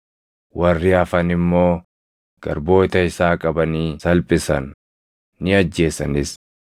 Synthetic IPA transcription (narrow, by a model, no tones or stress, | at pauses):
wɐrːɪɐfɐnɪmːo̞ː | ɡ̥ɐ̰ɾbo̞ːt̪ɐɪsaːkʼɐbɐniːsɐlpʼɪsɐ̰nː | ɪɐd͡ʒːe̞ːsɐ̰nɪs